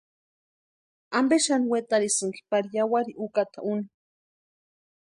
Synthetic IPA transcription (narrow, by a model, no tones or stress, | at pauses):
ambeʃaniwet̪aɾisɨŋki̥paɾijawaɾiʔukat̪auni